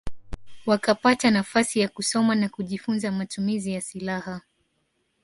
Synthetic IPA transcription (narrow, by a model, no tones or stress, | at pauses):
wakapatanafasijakusɔmanakuʄifunzamatumizijasilaha